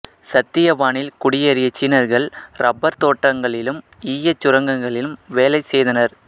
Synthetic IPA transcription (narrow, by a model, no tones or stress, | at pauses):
sɐt̪ːɪjɐʋaːɳɪlkʊɽɪjɐɾɪjɐt͡ʃːiːnɐɾɣɐɭɾʔɐbːɐɾt̪oːʈːɐŋɡɐɭɪlɯm | iːjɐt͡ʃːʊɾɐŋɡɐŋɡɐɭɪlɯmʋeːlɐɪsɛjðɐnɐɾ